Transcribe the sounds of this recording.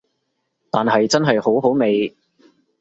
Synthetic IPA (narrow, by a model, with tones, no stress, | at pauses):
t̪aː˨nɦɐ˨jt͡sɐ˥nɦɐ˨jho˨˥wɦo˨˥wme˨˧j